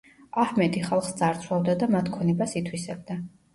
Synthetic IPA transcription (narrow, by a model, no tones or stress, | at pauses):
ahmɛd̪iχalˠχsd̪zaɾt̪sʰlˠavd̪ad̪amat̪ʰkʰɔnɛbasit̪ʰwisɛb̚d̪a